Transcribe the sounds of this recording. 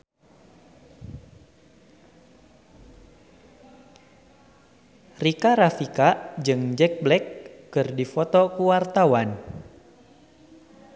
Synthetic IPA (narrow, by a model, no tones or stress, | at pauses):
rikaɾafikad͡ʒɨŋd͡ʒɛk̚blɛkːɨrdifɔt̪ɔkuwart̪awan